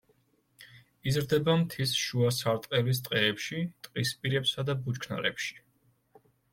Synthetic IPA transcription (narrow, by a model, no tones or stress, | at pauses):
izɾd̪ɛbamt̪ʰisʃuasaɾt̪ʼqʼɛlis̬t̪ʼqʼɛːpʃit̪ʼqʼispʼiɾɛpsad̪abut͡ʃkʰna̰ɾɛ̰pʃi̥